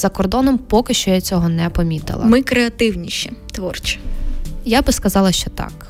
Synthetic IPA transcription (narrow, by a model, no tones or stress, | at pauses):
zɐkɔrd̪ɔnɔmpɔkɪʃt͡ʃɔjɐt͡sʲɔɦɔnɛpɔmʲit̪ɪ̰lˠɐ̰mɪkɾeɐt̪ɪwnʲiʃit̪ʋɔrt͡ʃʲɪ̥jabɪskɐzɑlˠɐʃt͡ʃɔt̪ɑ̰k